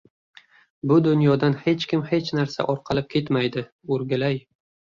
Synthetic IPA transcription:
bʊd̪ʊnjɒd̪anhe̞t͡ʃkʲɪmhe̞t͡ʃnaɾsa̰ʔɒɾqʰɑlɪp̚kʲʰe̞t̪majd̪ɪ | oɾɡʲalaj

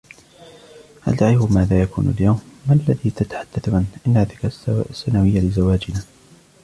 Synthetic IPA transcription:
ʔa̰ld̪aʕɪhʊmaːðaːjakṵːna̰ljawmːaʔalːaðiːt̪at̪ḁħad̪ːaθʊʕanʔɪnːaːðɪkasːanawɪjːalɪzawaːd͡ʒɪnaː

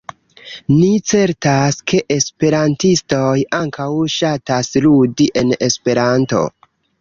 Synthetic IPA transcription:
nit͡se̞ɾtaske̞ʔespe̞ɾantisto̞jaŋkawʃatasludiʔe̞ne̞spe̞ɾanto̞̰

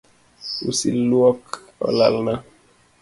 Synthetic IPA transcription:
ṵsilwɔk | ɔ̰la̰lna

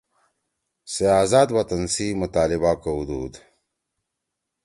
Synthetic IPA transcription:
seaːzaːd̪wɐt̪ɐnsimut̪aːlibakoud̪uːd̪

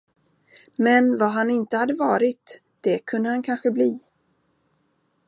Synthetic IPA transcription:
mɛnvaɦanɪnt̪əhad̪ːəvɑːɾɪt̪ | d̪̥ɛkʰɵnd̪əhankʰanɧəbliː

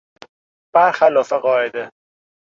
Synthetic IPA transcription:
b̥æɾxælɒːfeɢɒːed̪e

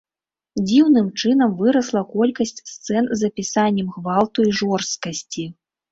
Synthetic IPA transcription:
d͡zʲiwnɨmt͡ʂɨn̪ɐmvɨɾɐslˠɐkɔlʲkɐsʲt͡sʲst̪sɛnzɐpʲisanʲːɛmxvalˠt̪uiʐɔrst̪̚kɐsʲt͡sʲi

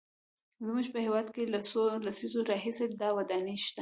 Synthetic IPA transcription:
zmuʒpəhewɑd̪kelasolasizoɾɑɦised̪ɑwad̪ɑneʃt̪a

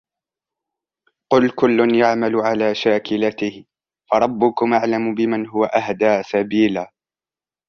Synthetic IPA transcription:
qʊlkʊlːʊnjaʕmalʊʕalaːʃaːkɪlat̪ɪh | fɑɾˤɑbːʊkʊmʔaʕlamʊbɪmanɦʊwaʔahd̪aːsabiːlaː

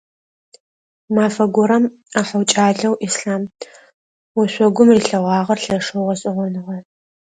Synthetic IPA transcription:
maːfɐɡʷɔɾɐm | aħɐwt͡ʃʼaːɮɐwʔisɬaːm | wɔɕʷɔɡʷʊmriːɬɐʁɑːʁɐrɬɐʂɐwʁɐɕʼɪʁʷɔnɨʁɐ

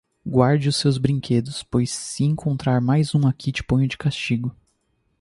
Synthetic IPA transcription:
ɡwaɾd͡ʒɪʊsewzbɾĩŋkʰed̪ʊspojsːɪẽŋkʰõnt̪ɾaɾmajzũakʰit͡ʃɪ̥põj̃ʊd͡ʒɪkast͡ʃiɡʊ

